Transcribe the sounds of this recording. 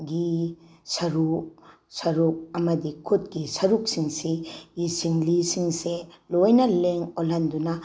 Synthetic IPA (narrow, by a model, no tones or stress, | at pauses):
ɡisɐɾu | sɐɾuk̚ɐmɐdikʰut̚ɡisɐɾuk̚siŋsijisiŋlisiŋselojnɐleŋolandunɐ